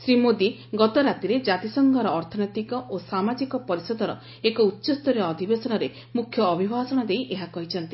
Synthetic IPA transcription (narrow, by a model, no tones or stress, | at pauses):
sɾimod̪i | ɡɔt̪ɔɾat̪iɾed͡ʒat̪isɔŋɡʱɔɾɔːɾt̪ʰɔnɔjt̪ikɔʔosamad͡ʒikɔpɔɾisɔd̪ɔɾɔ | ekɔutːʃɔst̪ɔɾiɔːd̪ʱibesɔnɔɾe | mukʰjɔːbʱibʱaɦsɔɽ̃ɔd̪ejʔeɦakɔɦit͡ʃʰɔnt̪i